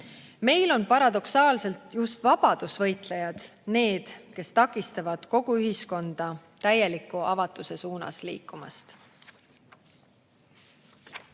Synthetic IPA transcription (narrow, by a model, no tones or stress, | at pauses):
me̞jlo̞npɑɾɑd̪̥o̞ksɑːlse̞lt̪just̪vɑb̥ɑd̪̥usvɤ̞jt̪lejɑd̪̥ne̞ːd̪̥ke̞st̪ɑkːˑist̪ɑvɑd̪̥ko̞ɡ̥uyɦisko̞nd̪̥ɑt̪æje̞likːˑuɑvɑt̪ːˑuse̞suːnɑ̰slḭːkːˑumɑ̰st̪